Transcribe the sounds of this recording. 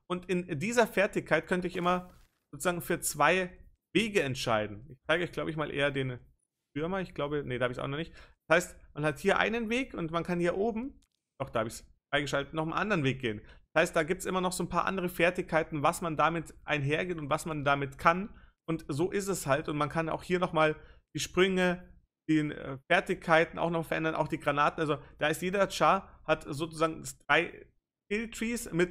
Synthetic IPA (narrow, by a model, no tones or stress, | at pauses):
ʔʊntɪndiːzɐfɛɐtɪçkʰaɪt̚kʰœntəɪçʔɪmɐ | z̥oːt͡suz̥aːɡŋ̩fyːɐt͡sv̥aɪ | veːɡəɛntʃaɪdn̩ʔɪçt͡saɪɡəɔʏɡ̥laʊbəɪçmaːlʔḛːɐdeːn | fʏɐmɐɪçɡ̥laʊbənədaːabɪçsʔa̰ʊxnɔχnɪçt̚d̥ashaɪstmanhathiːɐʔa̰ɪnənveːkʊntmankʰanhiːɐʔoːbm̩ | d̥ɔχd̥aːhaːbəɪçsfʁ̥aɪɡəʃ̬altətnɔχəmʔa̰ndəʁənveːk̚ɡ̥eːənd̥ashaɪst̚d̥aːɡiːp̚tsʔɪmɐnɔχz̥oːnpʰaːɐʔa̰ndəʁ̞əfɛɐtɪçkʰaɪtn̩vasmandaːmɪtʔa̰ɪnɦeːɐɡeːnʊntv̥asmandamɪtkʰanʔʊntzoːʔɪstɛshaltʊntmankʰana̰ʊxhiːɐnɔχmaːld̥iːʃpʁ̥ʏŋə | d̥eːnɛ̰fɛɐtɪçkʰːaɪtn̩ʔa̰ʊxnɔχmfɛɐʔɛndɐnʔa̰ʊxd̥iːɡʁanaːtnʔalzod̥aːɪstjeːdɐt͡ʃaːhatzoːt͡suzaːɡŋ̩dasd̥ʁaɪ | fɪltʁ̥iːsmɪt